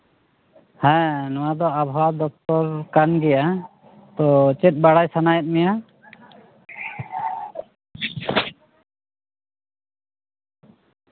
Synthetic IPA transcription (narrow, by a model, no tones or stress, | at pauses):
hɛ̃nɔwad̪ɔabʱwad̪ɔk̚t̪ɔɾkanɡɛja | t̪ɔt͡ʃɛt̪̚ˀbaɽajsanajɛt̪̚ˀmɛja